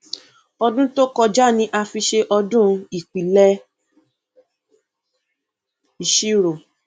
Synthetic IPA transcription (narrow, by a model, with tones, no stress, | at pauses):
ɔ˧dũ˦to˦kɔ˧d͡ʒa˦nĩ˧˦ʔa˧fi˧ʃe˧ʔɔ˧dũ˦i˨k͡pi˨lɛ˦ | i˨ʃi˦ɾo˨